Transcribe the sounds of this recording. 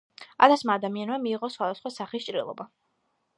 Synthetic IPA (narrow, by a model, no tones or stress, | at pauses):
a̰t̪ʰasmaːd̪amianmamiːʁɔsχwad̪asχwasaχist͡ʃʼɾḭlˠɔ̰ba